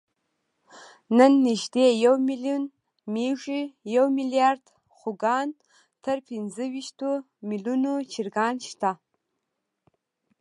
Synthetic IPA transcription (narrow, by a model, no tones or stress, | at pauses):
nɨnːɨʒdejɛwmiliun | miʒʷijɛwmilijard̥ | χʷʊɡan | tʰɐrpʰinzɨɥiʃtʰu | milunut͡ʃʰirɡanʃtʰa